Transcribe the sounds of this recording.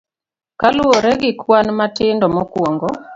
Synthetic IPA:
kalʊoɾɛɡɪkwanmatɪndɔmɔkwoŋɡɔ

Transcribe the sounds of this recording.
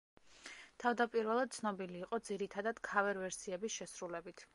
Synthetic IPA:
t̪ʰavd̪apʼiɾvɛlˠad̪̚t̪sʰnɔbiliːqʼɔd̪ziɾit̪ʰad̪ad̪̥kʰavɛɾvɛɾsiɛbisʃɛsɾulɛbit̪ʰ

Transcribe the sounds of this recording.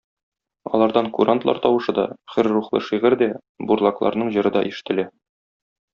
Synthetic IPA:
ɒ̰lˠɑɾd̪ɑŋkuɾant̪lˠɑ̰ɾt̪ɒwɤ̆ʃɤd̪ɒχɘɾːuχlˠɤ̰ʃiʁɘɾd̪æ | buɾlˠɑklˠɑ̰ɾnɤɴʑɤ̆ɾɤd̪ɒʔiʃɘ̥̆t̪ɘ̆læ

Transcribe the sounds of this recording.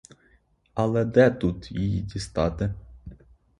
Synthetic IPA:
ɐlˠɛd̪ɛt̪ut̪jɪjḭdʲist̪ɑt̪ɪ

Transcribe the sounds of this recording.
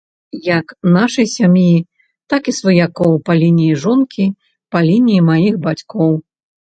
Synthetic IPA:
jɐknaʂɐjsʲamji | t̪akisvɐjakɔwpɐlʲinʲijiʐɔnkʲi | pɐlʲinʲijimajixbat͡sʲkɔw

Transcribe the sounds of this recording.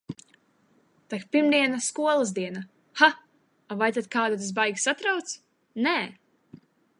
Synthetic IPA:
t̪akpiɾmd̪iɛnaskuɔlˠɨzd̪iɛna | ha | avajt̪ad̪̚kaːd̪ut̪̬asbajɡʲsat̪ɾawt̪s | nɛː

